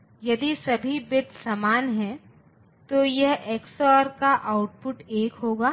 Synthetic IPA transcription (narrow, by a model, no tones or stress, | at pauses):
jɐd̪isɐbʱibɪd̪samaːnɦɛ̃ | t̪ojɐɦeːksɔːɾkaʔaːʊʈpʊʈeːkɦoːɡaː